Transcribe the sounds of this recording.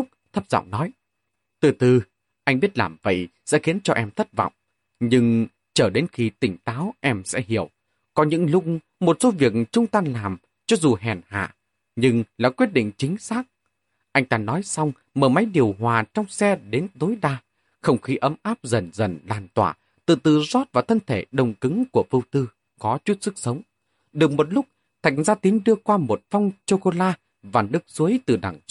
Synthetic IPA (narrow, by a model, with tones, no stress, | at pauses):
k͡p̚t̪ʰə˦˥p̚za̰˧˨wŋ͡mnɔ˨˦j | t̪ɨ˨˩t̪ɨ˨˩ | ʔa˧jŋ̟ɓi˦˥ət̚laː˨˩mvə̰˧˨jsɛ̰˧˥xi˨˦ənt͡ɕɔ˧ʔɛ˧mt̪ʰə˦˥t̚vɔ̰˧˨wŋ͡m | ɲɨ˧ŋ | t͡ɕəː˧˩ɗe˨˦nxi˧˦t̪ï˧˩ŋ̟t̪aː˨˦wʔɛ˧msɛ̰˧˥ɦi˧˩əw | kɔ˨˦ɲɨ̰˧˥ŋlʊ˧k͡pŋ͡m | mo˨˩t̚so˨˦vi˨˩ək̚t͡ɕʊ˧ŋ͡mt̪aː˧nlaː˨˩m | t͡ɕɔ˨˦zu˨˩ɦɛ˨˩nha̰ː˧˨ | ɲɨ˧ŋlaː˨˩kwi˦˥ət̚ɗḭ̈˧˨ŋ̟t͡ɕï˨˦ŋ̟saː˦˥k̚ | ʔa˧jŋ̟t̪aː˧nɔ˨˦jsa˧wŋ͡m | məː˧˩ma˨˦jɗi˨˩əwɦwaː˨˩t͡ɕɔ˧wŋ͡msɛ˧ɗe˨˦nt̪o˨˦jɗaː˧ | xə˧wŋ͡mxi˨˦ʔə˨˦mʔaː˦˥p̚zə˨˩nzə˧˩nlaː˨˩nt̪wa̰ː˧˩ | t̪ɨ̰˧˩t̪ɨ˨˩zɔ˦˥t̚vaː˨˩t̪ʰə˧nt̪ʰe˧˩ɗə˨˩wŋ͡mkɨ˨˦ŋku˧˩əfɨ˧wt̪ɨ˧ | kɔ˨˦t͡ɕu˦˥t̚sɨ˦˥k̚sə˨˦wŋ͡m | ɗɨ˨˩ək̚mo˨˩t̚lʊ˦˥k͡p̚ | t̪ʰa˨˩jŋ̟zaː˧t̪i˨˦ənɗɨ˧əkwaː˧mo˨˩t̚fwŋ͡mt͡ɕo˧ko˧laː˧ | vaː˨˩nɨ˦˥ək̚zu˨˦əjt̪ɨ˨˩ɗa̰˨˧˩ŋ